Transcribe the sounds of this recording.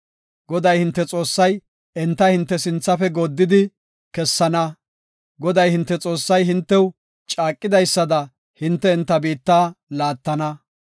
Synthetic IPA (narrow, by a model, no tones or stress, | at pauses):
ɡɔd̪ɐjhɪnt̪ːɛt͡sʼo̞ːsːɐj | ɛnt̪ːɐhɪnt̪ːɛsɪnt͡sːɐfɛɡod̪ːɪd̪ɪ | kɛsːɐnɐ | ɡɔd̪ɐjhɪnt̪ːɛt͡sʼo̞ːsːɐjɦɪnt̪ːɛw | t͡ʃʼaːkʼːɪd̪ɐjsːɐd̪ɐ | hɪnt̪ːɛːnt̪ːɐbiːt̪ːaːlaːt̪ːɐnɐ